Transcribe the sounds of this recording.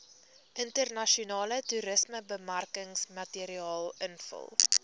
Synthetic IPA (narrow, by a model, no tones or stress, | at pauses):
ʔəntərnɐʃiunɑːlətuɾəsməbəmærkəŋsmɐtiɾiɑːlˠənfə̰lˠ